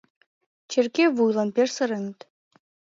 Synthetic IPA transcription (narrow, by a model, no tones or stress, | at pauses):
t͡ɕerkeβujlˠɑnpersə̆ɾə̆nət̪